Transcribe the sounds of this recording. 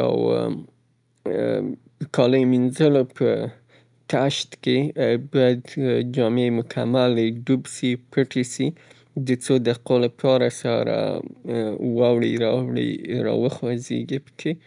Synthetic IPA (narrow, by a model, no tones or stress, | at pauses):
a̰w | kʰɑləjminzəlopʰə | kaʃt̪kebɑjad̪d͡ʒɑmemʊkʰamalɖubsipʰəʈesi | d̪ət͡sod̪aqolapʰɑɾasaɾa̰ | wɑwɽiɾɑwɽḭɾɑ̰wəxwazḛɡipə̥kʰe